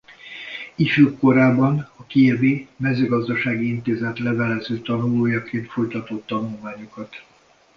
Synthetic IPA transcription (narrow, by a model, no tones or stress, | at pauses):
ifykːo̞ɾaːbɒnɒkiɛbeːmɛzøːɡɒzd̪ɒʃaːɡiint̪eːzɛt̪lɛvɛlɛzøːt̪ɒnuloːjɒkeːnt̪fo̞jt̪ɒt̪ot̪ːɒnulmaːɲokɒt̪